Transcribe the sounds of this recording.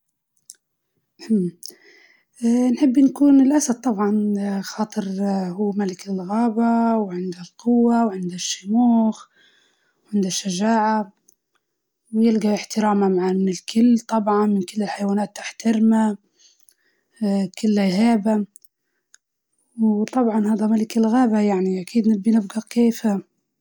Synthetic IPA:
m | nħɪbːnkuːnɪlʔasad̪̚t̪ˤːɑbʕɑnxɑːt̪ˤɨɾhuːmalɪkɪlɣaːbawʕɪnd̪alqʊwːawʕɪnd̪aʃːʊmuːx | wʕɪnd̪aʃːaʒaːʕa | wjɪlɡaɪħt̪ɪɾaːmamaʕaːmɪnɪlkʰɪlːt̪ˤɑbʕɑnmɪnkɪlːɪlħajwaːnaːt̪ːaħt̪ɪɾma | kɪlːajɦaːba | wt̪ˤɑbʕɑnhaːd̪amalɪkɪlɣaːbajaʕniʔakiːd̪nɪbːinɪb̚ɡakeːf

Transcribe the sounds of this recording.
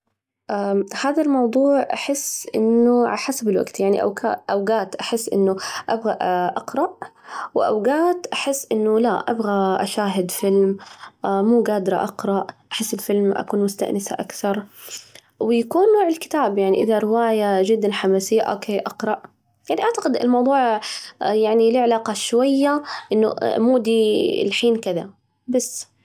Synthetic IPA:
ʔahaːðalmɑwd̪ˤuːʕʔa̰ħɪsːʔɪ̰nːʊʕa̰laħasabɪlwa̰ɡt̪jaʕnḭʔa̰wka̰ːʔawɡaːt̪ʔaħɪsːʔɪ̰nːʊʔabɣaʔɑqɾˤɑʔwɪʔa̰wɡaːt̪ʔaħɪsːʔɪnːʊlaʔa̰bɣaʔa̰ʃaːɦɪd̪fɪlmʔamuːɡaːd̪ɾˤɑ̰ʔɑqɾˤɑʔʔaħɪsːɪlfɪlmʔa̰kuːnmʊst̪a̰ʔnɪsa̰ʔa̰kθɑɾˤ | wɪjakuːnːoːʕɪlkɪ̥t̪aːbjaʕniʔɪðaɾɪwaːjad͡ʒɪd̪ːanħamaːsɪjːaʔoːkʰeːʔɑqɾˤɑʔ | jaʕniʔaʕt̪aqɪd̪ɪ̰lmɑwðˤuːʕjaʕnilɪʕalaːqɑʃwajːaʔɪnːʊ̰muːd̪ḭlħiːnkɪða̰ | basː

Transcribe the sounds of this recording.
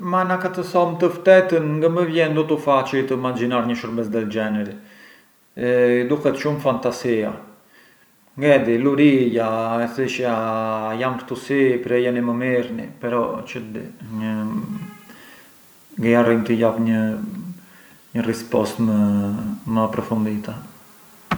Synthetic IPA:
manakat̪əsɔmt̪əft̪ɛt̪ənŋɡəməvjɛnd̪ɔt̪ufat͡ʃit̪əmad͡ʒinaɾɲəʃəɾbɛsd̪ɛt̪d͡ʒɛnɛɾi | d̪ukɛt̪ʃumfant̪asia | ŋɡɛd̪iluɾijaɛθiʃajampɾt̪usipɾɛjɛniməmiɾnḭpɛɾɔt͡ʃəd̪iɲə | ŋɡəjarimt̪əjapɲə | ɲərɛspɔst̪mə | məapɾɔfund̪it̪a

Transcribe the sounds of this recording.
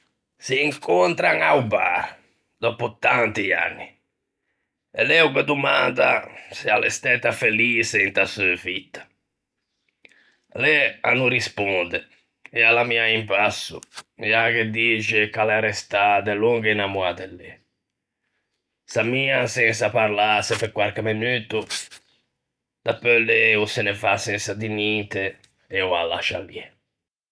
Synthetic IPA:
siːŋkɔnt̪ɾaŋauba̰ | d̪ɔput̪ːant̪ia̰nːi | ɛlɛwkɛd̪umand̪a̰sialɛ̰st̪ɛt̪ːafeliːsɛint̪asufit̪ːḁ | lɛa̰nːurispɔnd̪ɛ | ɛalamiaimpasːṵɛaked̪ːiːt͡ʃɪkalɛɾɛst̪ad̪ɛluŋɡnamuat̪ɛlːɛ | samiːasɛnsapaɾlasepekːwaɾkemenyːt̪u | d̪̥apːølːɛusɪnefasɛnsad̪iniːt̪e | ɛua̰la̰ʃa̰ljɛ

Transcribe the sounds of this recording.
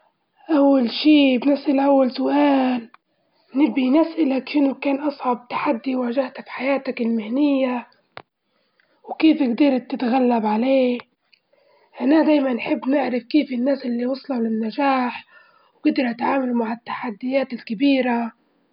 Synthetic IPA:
ʔawːalʃiːbnɪsʔalʔawːalsʊʔaːl | nɪbːinɪsʔalakʃɪnʊkaːnʔɑsˤʕɑb̚t̪ḁħad̪ːiwaːʒaht̪afħajaːt̪akɪlmɪhnɪjːa | wkiːfɪɡd̪iɾˤt̪ːɪt̪ɣalːabʕaleː | ʔanaad̪aːjmanːħɪbːnɪʕɾɪfkiːfɪnːaːsʔɪlːiwɑsˤlɑlɪnːaʒaːħ | wɡɪd̪ɑɾʔat̪ʕaːmalmaʕɪt̪ːḁħad̪ːɪjaːt̪ɪlkabiːɾa

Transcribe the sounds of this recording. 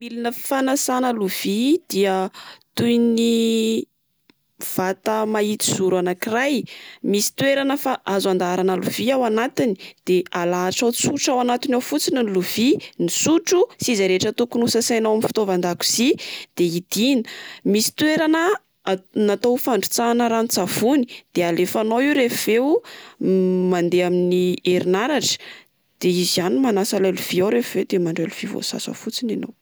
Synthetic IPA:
milinəi̥fanasanəluv̥id̪̥iət̪ujni | v̥at̪əmait̪i̥z̥uɾanakirajmisi̥t̪weɾanəfaʔazand̪aɾanəluv̥iawanat̪ini̥d̪̥ealaːʈ͡ʂawt͡suʈ͡ʂawanat̪inawfut͡sininluvinisuʈ͡ʂusizaɾeʈ͡ʂət̪ukunusəsajnawaminfi̥t̪ovand̪aku̥z̥id̪̥eid̪̥inə̥misi̥t̪ueɾanə | nat̪owfaɳɖ͡ʐu̥t͡sanəɾanit͡sav̥uni̥d̪̥ealefanowiwɾefuv̥ew | mand̪eaminieɾinaɾaʈ͡ʂə̥ | d̪̥eizizanimanasalaluv̥iawɾefuved̪emaɳɖ͡ʐaluv̥ivo̰sa̰sə̰fut͡sinino̰w

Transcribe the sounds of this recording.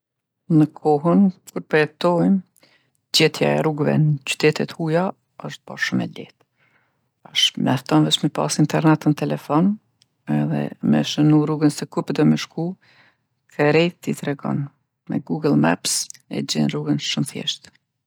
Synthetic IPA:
nəkʰɔɦənkuɾpəɾɛt̪ɔjm | d͡ʑɛt̪ʰja̰ɛɾuɡvɛ̰nət͡ɕy̥t̪ɛt̪ɛt̪huja | əʃt̪̚ba̰ʃumɛ̰lɛ̰t̪ | aʃmɛft̪ɔnvɛt͡ʃmɛpa̰sint̪ɛɾnɛt̪nət̪ɛlɛfɔn | ɛðɛ̰mɛ̰ʃənuɾuɡənsəkupd̪ɔmɛʃku | kʰɛɾɛjt̪it̪ɾɛɡɔ̰n | mɛ̰ɡuɡəlˠma̰psɛ̰d͡ʑɛnruɡənʃumθjɛ̰ʃt̪

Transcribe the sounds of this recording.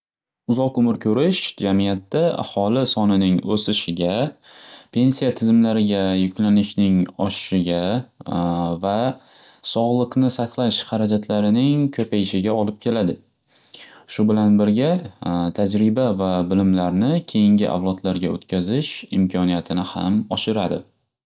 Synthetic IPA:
ʊzɒqʊmɪɾkʰɵɾɪʃd͡ʒamijat̪ːaa̰hɒlˠɪsɒnɪnɪŋɵsɪʃɪɡʲa | pʰe̞nsijat̪ʰɪzɪmlaɾɪɡʲajʊkʲlanɪʃnɪŋɒʃɪ̥ʃɪɡʲa | va | sɒʁlˠɨqnɪsaqlˠaʃhɑɾad͡ʒat̪ʰlaɾɪnɪŋkʰɵpajɪʃɪɡʲaɒlɪp̚kʲʰe̞lad̪ɪ | ʃʊbɪlanbɪɾɡʲat̪ʰad͡ʒɾɪbavabɪlɪmlaɾnɪkʲʰe̞jɪŋɡʲɪʔa̰wlˠɒd̪laɾɡʲaɵ̰t̪kʲʰazɪʃɪmkʲʰɒnijat̪ʰɪnɪha̰mɒʃɪɾad̪ɪ̰

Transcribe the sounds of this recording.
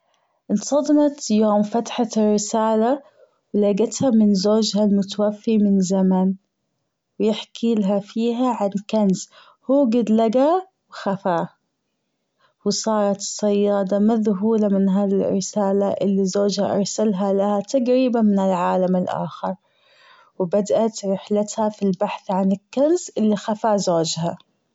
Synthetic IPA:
ʔɪnsˤɑd̪ˤmɑt̪joːmfat̪ħarːɪsaːla | wlaɡat̪hamɪnzoːd͡ʒhalmʊt̪awafːimɪnzaman | wjɪħkʰiːlɦafiːɦaʕankanz | huːɡɪd̪laɡa | wxafaː | wɪsˤɑːɾˤɑt̪ɨ̥sˤːɑjːɑːd̪ˤɑmaðɦuːlamɪnɦaːðirɾɪsaːlaʔɪ̰lːizoːd͡ʒhaʔɑ̰ɾˤsalɦalahat̪aɡɾiːbanmɪnɪlʕaːlamɪlʔa̰ːxɪɾˤ | wɪbad̪ʔat̪ɾɪħlat̪hafilbaħθʕanɪkːanzʔɪlːixafaːzoːd͡ʒha

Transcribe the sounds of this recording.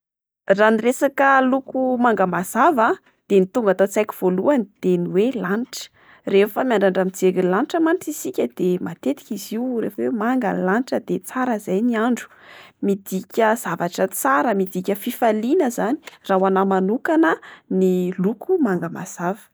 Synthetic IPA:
raniresakəlukumaŋɡəmaz̥ava | d̪̥enit̪uŋɡat̪ot͡sajki̥v̥oluanid̪̥eniwelanʈ͡ʂə̥ | refəmiaɳɖ͡ʐaɳɖ͡ʐamid͡zeɡilanʈ͡ʂəmanʈ͡ʂisikʲəd̪̥emat̪et̪i̥kʲiziurḛfəwemaŋɡə̰lanʈ͡ʂəd̪et͡saɾəzajniaɳɖ͡ʐu̥mid̪ikʲəz̥avaʈ͡ʂət͡saɾəmid̪ikʲəfifalinəzani̥raɦwanamanukanənilukumaŋɡəma̰z̥avə̥

